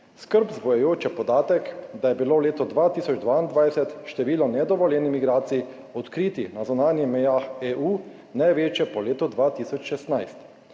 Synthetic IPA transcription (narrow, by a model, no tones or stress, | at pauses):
skəɾbzbɔjɛjoːt͡ʃɛpɔd̪aːt̪ɛkd̪ajɛbilowleːt̪ɔd̪ʋat̪iːsɔd͡ʒd̪ʋaind̪ʋajsɛt̪ʃt̪ɛʋiːlɔnɛd̪ɔʋɔljɛnimiɡɾaːt̪sii | ɔt̪kɾiːt̪inazunaːnjimɛjaːxeːʔuː | najʋeːt͡ʃjɛpɔleːt̪ɔd̪ʋat̪isɔt͡ʃʃɛst̪najst̪